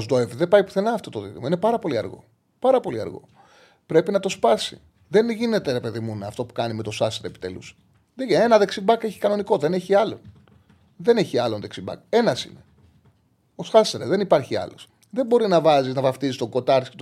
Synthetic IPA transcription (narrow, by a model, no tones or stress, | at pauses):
zd̪oevðe̞pɐipu̥θe̞nɐːft̪o̞t̪o̞ðit̪imoinepɐɾɐpo̞liɐ̰ɾɣo̞̰ | pɐɾɐpo̞liɐ̰ɾɣo̞̰ | pɾe̞pinɐt̪o̞spɐsḭ | ðenʝine̞t̪e̞ɾe̞pe̞ðimunːft̪o̞pu̥kɐnimet̪osɐseɾepi̥t̪e̞̰lṵs | ðeenɐðe̞ksimbɐke̞çi̥kɐno̞niko̞ðe̞ne̞çiɐlo̞n | ðe̞neçiɐlonðeksibɐ̰ke̞nɐsḭne | osxɐseɾðe̞nipɐɾçiɐ̰lo̞s | ðe̞mbo̞ɾinɐvɐziznɐvɐft̪izist̪oŋɡo̞t̪ɐɾtisket̪